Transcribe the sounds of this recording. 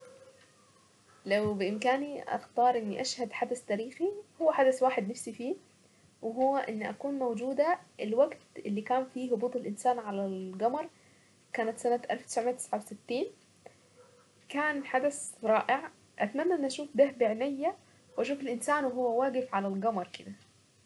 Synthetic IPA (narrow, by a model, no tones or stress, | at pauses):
lawbɪʔɪmkaːniʔa̰xt̪ɑːɾˤʔɪnːiʔaʃhad̪ħad̪ast̪æːɾiːxihowːæħad̪aswaːħed̪nafsifiː | wɪɦowːæʔɪnːʔækuːnmowd͡ʒuːd̪æʔɪlwaɡt̪ʔɪlːikaːnfiːɦʊbuːt̪ˤelʔɪnsaːnʕalælɡɑmɑɾˤ | kaːnat̪sænat̪ʔalft̪ɪ̥sʕmejæt̪ɪ̥sʕawesɪt̪ːiːn | kaːnħad̪asɾˤɑːʔɪʕ | ʔat̪mænːæʔenʔæʃuːfd̪ahbɪʕnɪjːæ | wʔæʃuːfelʔɪnsaːnwɪɦowːæwaːɡɪfʕalælɡɑmɑɾˤkɪd̪æ